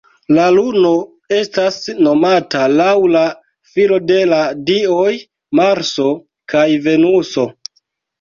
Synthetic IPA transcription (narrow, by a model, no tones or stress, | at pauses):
laluno̞ | e̞stasno̞matalawla | filo̞de̞ladioj | maɾso̞ | kajve̞nuso̞